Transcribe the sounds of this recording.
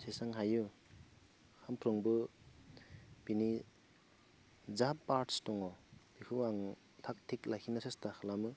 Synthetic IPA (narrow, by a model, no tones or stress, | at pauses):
sesaŋɦaju | hampʰɾɯŋbɯ | pini | zapːaɾtstɔŋɔbikʰɯaŋ | tʰak̚tʰiklakʰinasestaxʰɯlamɯ